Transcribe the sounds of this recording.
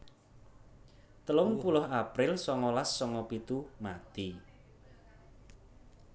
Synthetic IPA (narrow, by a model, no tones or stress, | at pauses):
t̪əlʊŋpulʊɦapɾɪlsɔŋɔlasːɔŋɔpit̪umat̪i